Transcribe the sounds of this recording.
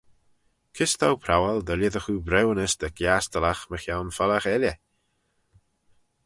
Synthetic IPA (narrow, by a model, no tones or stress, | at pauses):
kʰɪst̪ʰawpʰɾawalˠd̪əlʲjəðəxuːbɾɛwənəsd̪̥əkʰjaːst̪əlaxməxjawnfɔlaxɛljə